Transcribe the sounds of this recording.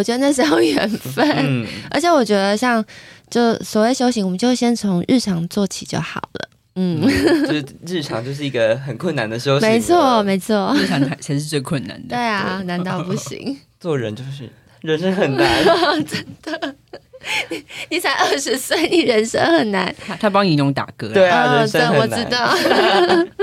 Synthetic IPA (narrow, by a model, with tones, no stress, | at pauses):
ɔ˨˩t͡ɕɥɛ˧˥d̪ə˧˥˩ʂ̬̩˧˥jo˥˩ʊɥɛ̰˨˩nfə˥˨n̩˥˩ə̰˞˧˥t͡ɕʰjɛ˧˥wɔ˨˩t͡ɕɥɛ˧˥d̪ə˧ɕjɑ˥˧ŋt͡ɕjo˥˩ʊswɔ˨˩we˥˩ə˨ɕjo˥ʊɕi˧˥wɔ˨mə˦t͡ɕjo˥˧ʊ˥ɕjɛ˥nt͡sʰo˧˥ŋɻ̩˥˩ʈ͡ʂʰɑ˨˧˥ŋt͡swɔ˥˩t͡ɕʰḭ˨˩t͡ɕjo̰˥˩ʊxɑ˨˩ʊlə̰˦ | n̩˥˩˧ | ɻɻ̩˥˩ʈ͡ʂʰɑ̰˨˩ŋt͡ɕjo˥˧ʊʂ̬ɻ̩˥˩i˧˥ɡə˧xə˨˩nkʰwə˥˩nːa˨˦nd̪ə˨ɕjo˥ʊɕme˧˦˥ɪt͡sʰwɔ˥˩me˧˥ɪt͡sʰwɔ˥˩˥ɑ˨˦ŋa˨˩ɪɕa˧˥ɪʂɻ̩˥˧t͡swe˥˩kʰwə˥˨nːa̰˨˦nd̪əwe˥˩ɪa˨˩na˧˦nt̪ɑ˥˧ʊpu˥˩ɕḭ˧˦ŋ | t͡swɔ˥˩ɻə˦nt͡ɕjo˥˧ʊʂɻ̩˥˩ | ɻə˧˦˥nʂə˥ŋxə˨˩na˨˦nʈ͡ʂə˦˩nd̪̥ə˩ | i˨˩ni˨˩t͡sʰa˧˥ɪʔə˥˩ʂɻ̩˧˥swe˥˩ɪni˨˩ɻə˧˦nʂə̰˥ŋxə˨˩nna˧˦nʰa˥t̪ʰa˥p̬ɑ˦˥ŋi˧˥nʊ˧˥ŋt̪a̰˨˩kɤ˥we˥˧˩ə˥˩wɔ˨˩˦t̪ɑ˥˩ʊ